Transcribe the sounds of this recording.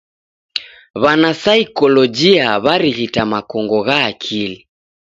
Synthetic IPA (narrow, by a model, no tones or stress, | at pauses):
βanasaikɔlɔd͡ʒiaβaɾiɣitamakɔŋɡɔɣaːkʰili